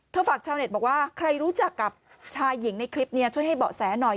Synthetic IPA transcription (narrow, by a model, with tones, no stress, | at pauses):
t̪ʰəfaː˨˩k̚t͡ɕʰaː˧wne˨˩t̪̚bɔː˨˩waː˥˩kʰɾa˧jɾuː˦˥t͡ɕa˨˩kːa˨˩p̚ | t͡ɕʰaː˧jːi˩˦ŋna˧jkʰɾi˦˥p̚ni˥ɐt͡ɕʰu˥˩əjɦa˥˩jbɔ̰ː˨˩sɛː˩˦˥nɔ˨˩j